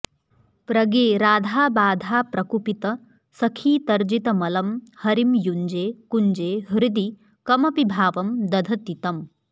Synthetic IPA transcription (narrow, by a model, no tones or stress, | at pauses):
pɾɐɡeːɾaːd̪ʱaːbaːd̪ʱaːpɾɐkupit̪ɐ | sɐkʰiːt̪ɐɾd͡ʒit̪ɐmɐlɐmhɐɾimjuɲd͡ʒeːkuɲd͡ʒeːɦɾɪd̪i | kɐmɐpibʱaːʋɐmd̪ɐd̪ʱɐt̪it̪ɐm